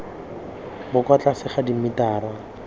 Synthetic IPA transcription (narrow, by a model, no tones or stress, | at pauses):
bʊkwat͡ɬasɪχadimitaːra